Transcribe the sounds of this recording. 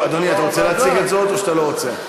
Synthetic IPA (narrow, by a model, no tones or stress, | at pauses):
ad̪oniat̪aʁot͡seleɦat͡siɡet̪zo̞t̪oʃat̪alo̞ʁot͡se